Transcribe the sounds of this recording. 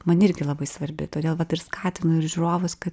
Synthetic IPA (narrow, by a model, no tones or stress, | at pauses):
mɐnɪɾʲɡʲɪlˠɐbɐɪsʋɐɾʲbʲɪ̰t̪oːdʲeːlˠʋɐt̪ɪɾskɑːt̪ʲɪnʊɪɾʒʲʊɾoːʋʊskɐt̪